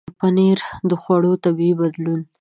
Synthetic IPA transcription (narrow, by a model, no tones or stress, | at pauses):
paneɾd̪əxwaɽot̪abibad̪lun